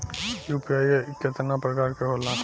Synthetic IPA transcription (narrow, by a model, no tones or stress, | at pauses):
jupiajeket̪napɾəkaːɾkeɦolã